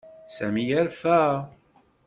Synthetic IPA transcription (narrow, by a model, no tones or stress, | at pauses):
sæmijæɾfæ